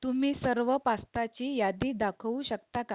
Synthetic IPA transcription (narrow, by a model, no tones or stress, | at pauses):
t̪umiːsəɾʋəpast̪at͡ɕiːjad̪iːd̪akʰuɕəkt̪aka